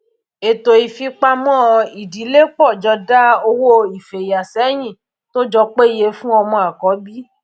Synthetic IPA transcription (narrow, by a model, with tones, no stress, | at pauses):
e˨to˨i˨fi˧k͡pa˧mɔ̃˦˧i˨di˨˦le˦k͡pɔ˦˨d͡ʒɔ˧da˦o˧wo˦i˨fe˨ja˨sɛ˨˦j̃ĩ˦˨ | to˦d͡ʒɔ˧k͡pe˦˨je˧˦fũ˦ɔ˧mɔ̃˧a˨kɔ˨˦bi˦